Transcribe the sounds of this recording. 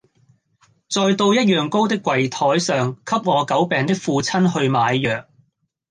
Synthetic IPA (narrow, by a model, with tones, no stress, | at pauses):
t͡sɔː˨˧jt̪o˧wjɐ˥t̚jœː˨˩ŋko˥wt̪ɪ˥kʷːwɐ˨˩jt̪ʰɔː˨˥jsœː˨ŋkʰɐ˥p̚ŋɔː˨˧kɐ˨˥wpɛː˨ŋt̪ɪ˥k̚fuː˧t͡sʰɐ˥nhɵ˧ɥmaː˨˧jːœː˨˩k̚